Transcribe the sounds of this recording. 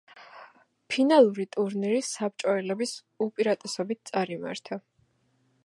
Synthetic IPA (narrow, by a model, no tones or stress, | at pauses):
pʰinalˠuɾit̪ʼuɾniɾisap̚t͡ʃʼɔɛlɛbis | upʼiɾat̪ʼɛsɔbit̪̚ʰt̪sʼaɾima̰ɾt̪ʰa